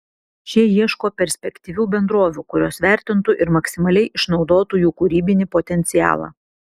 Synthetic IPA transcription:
ʃʲiɛjiɛʃkoːpʲɛɾʲsʲpʲɛkʲt̪ʲiʋʲuːbʲɛnd̪ɾoːʋʲuːkʊɾʲoːsʋʲæˑɾʲt̪ʲɪnt̪ʊʔɪɾmɐksʲɪmɐlʲɛɪʔɪʃnɒʊd̪oːt̪uːjuːkʊɾʲiːbʲɪnʲɪpoːt̪ʲɛnʲt̪sʲɪjæ̰ːlˠɑ̰ː

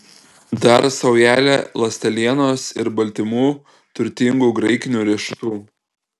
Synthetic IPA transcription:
d̪ɐɾsɐʊjæːlʲelˠɐsʲt̪ʲɛlʲiɛnoːsɪɾbɐlʲt̪ʲɪmuː | t̪ʊɾʲt̪ʲɪŋɡuːɡɾɐɪkʲɪnʲuːɾʲɛʃʲɪt̪uː

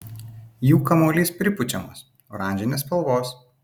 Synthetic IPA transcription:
juːkɐmoːlʲiːspʲɾʲɪpʊt͡ʃʲɛmo̰ːs | oɾɑˑnʲd͡ʒʲɪnʲeːspɐlˠʋoːs

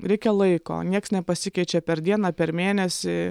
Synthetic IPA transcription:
ɾʲɛɪkʲɛlˠɐɪko̰ːnʲiɛksnʲɛpɐsʲɪkʲɛɪt͡ʃʲɛpʲɛɾd̪ʲiɛnɑːpʲɛɾmʲeːnʲɛsʲɪ

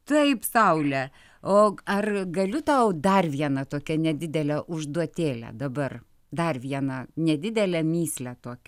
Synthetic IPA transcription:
t̪ɐɪpsɐʊlʲɛ | oːɐrɡɐlʲʊt̪ɐʊd̪ɐrʋʲiɛnɐt̪oːkʲɛnʲɛd̪ʲɪd̪ʲɛlʲɛʔʊʒd̪uɔt̪ʲeːlʲɛ̰d̪ɐbɐr | d̪ɐrʋʲiɛnɐnʲɛd̪ʲɪd̪ʲɛlʲɛmʲiːsʲlʲæt̪oːkʲɛ

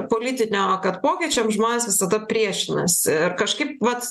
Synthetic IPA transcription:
poːlʲit̪ʲɪnʲoːkɐt̪poːkʲiɛt͡ʃʲɛmʒmoːnʲeːsʋʲɪsɐd̪ɐpʲɾʲiɛʃʲɪnɐsɪɾkɐʃkɐɪp̚ʋɐt̪

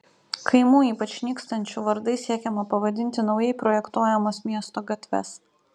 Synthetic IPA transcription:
kʰɐɪmuːiːpɐt͡ʃʲnʲiːˑkst̪ɐnʲt͡ʃʲuʋɐɾd̪ɐɪsʲiɛkʲɛmɐpɐʋɐd̪ʲɪnʲt̪ʲɪnɒʊjɛɪpɾoːjɛkt̪uɔjɛmoːsmʲiɛst̪oːɡɐt̪ʲʋʲɛ̰s

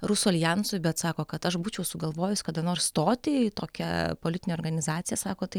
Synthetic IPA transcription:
ɾʊsuɐlʲjɛnsʊjbʲɛt̪sɑːkoːkɐt̪ɐʃbuːt͡ʃʲɛʊsʊɡɐlˠʋoːjʊsʲkɐd̪ɐnoːrst̪oːt̪ʲɪt̪oːkʲɛ̰poːlʲɪt̪ʲɪnʲeoːrɡɐnʲɪzɑːtt͡s̪sʲɪjɛsɑːkoːt̪ɐɪ

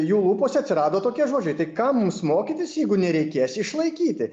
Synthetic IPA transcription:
juːlˠuːpoːsʲɐt̪ʲsʲɪɾɑːd̪oːt̪oːkʲiɛʒoːd͡ʒʲɛɪt̪ɐɪkɐmumsmoːkʲiːt̪ʲɪsjɛɪɡʊnʲɛɾʲɛɪkʲeɛsɪʃlˠɐɪkʲiːt̪ʲɪ

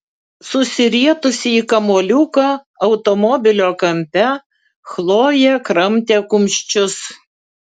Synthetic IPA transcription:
sʊsʲɪɾʲiɛt̪ʊsʲɪikɐmoːlʲuːkɑ | ɐʊt̪ɔmɔbʲɪlʲoːkɐmʲpʲɛ | xlˠoːjɛkɾɐmʲˑt̪ʲeːkʊmʲʃʲt͡ʃʲʊs

